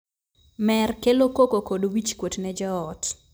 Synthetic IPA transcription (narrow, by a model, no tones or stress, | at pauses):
mɛrkelokokokodwit͡ʃkwotnɛd͡ʒɔɔt